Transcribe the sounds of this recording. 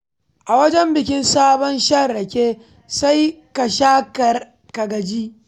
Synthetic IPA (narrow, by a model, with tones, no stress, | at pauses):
ʔa˨wɐ˦d͡ʒɛ˦mbɪ˨kʲɪ˦nsaː˦bɔ˦nʃɐː˦˨ɐ˨kʲeː˦ | sa˦jka˨ʃaː˦kɐ˨r | ka˨ɡɐ˨d͡ʒiː˦